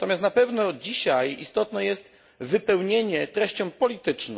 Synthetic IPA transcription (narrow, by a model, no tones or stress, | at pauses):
t̪ɔmʲjast̪napɛvnɔd͡ʑiɕajḭst̪ɔt̪nɛjɛst̪ | vɘpɛwɲeɲɛt̪ɾɛɕt͡ɕɔ̃w̃pɔlʲit̪ɘt͡ʂn